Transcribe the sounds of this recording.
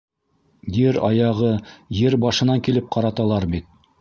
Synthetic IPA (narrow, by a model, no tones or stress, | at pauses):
jɘɾɑ̰jɑʁɤjɘɾbɑʃɤ̆nɑŋkilɘp̚qʰɑɾɑt̪ɑlˠɑɾbit̪̚